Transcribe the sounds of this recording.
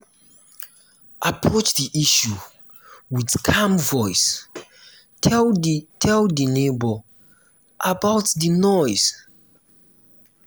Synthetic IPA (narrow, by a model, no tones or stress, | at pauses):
ʔapʰɹot͡ʃdiʔiʃu | widkʰãmvɔjs | ɛltʰɛldənebə | ʔabawtdənɔjz̥